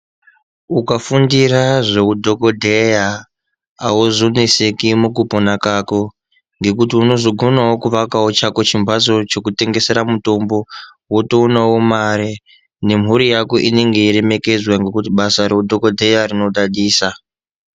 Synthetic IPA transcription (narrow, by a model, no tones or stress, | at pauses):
ukafundiɾaʐeudʱo̞kodʱeja̰ː | uzonisekimukuponakako̞ | ŋɡe̞kut̬iuno̞ʐoɡʱo̞nawo̞kuʋakawot͡ʃako̞t͡ʃimbʱaso̞t͡ʃo̞kute̞ŋɡe̞seɾamuto̞mbo̞ | wotounawomaɾi | ne̞m̤uɾijakoʔine̞ŋɡe̞iɾe̞me̞ke̞d͡zwaŋɡe̞kutiɓasaɾe̞udʱokodʱe̞jarino̞ɗaɗiːsa